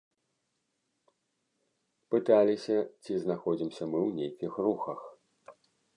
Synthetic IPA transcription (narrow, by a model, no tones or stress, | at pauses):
pɨt̪alʲisʲɐt͡sʲiznaxɔd͡zʲimsʲɐmɨwnʲejkʲixruxɐx